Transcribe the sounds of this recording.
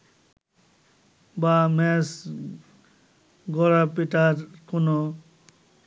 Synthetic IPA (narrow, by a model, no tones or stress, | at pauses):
bamɛs | ɡɔɾapiʈaɾkunɔ